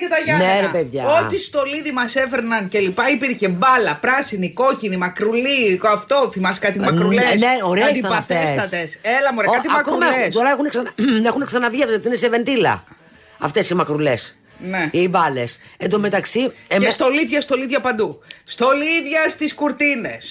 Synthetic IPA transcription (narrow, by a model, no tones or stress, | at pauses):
cet̪ɐʝɐneɾepeðʝɐot̪ist̪o̞liðimɐsefeɾnɐnce̞lipɐipiɾçe̞bɐlɐpɾɐsiniko̞cinimɐkɾuliɐft̪o̞θimɐskɐt̪imɐkɾuleneoɾesd̪isɐpɐθest̪ɐt̪eselɐmoɾɐɐt̪imɐkomelɐexuneksɐnexuneksɐnɐvʝiðzot̪ineseve̞nd̪ilɐ̰ | ɐft̪e̞simɐkɾule̞s | neibɐle̞send̪omet̪ɐksiemest̪o̞liðʝɐst̪o̞liðʝɐpɐnd̪ust̪o̞liðʝɐst̪iskuɾt̪ines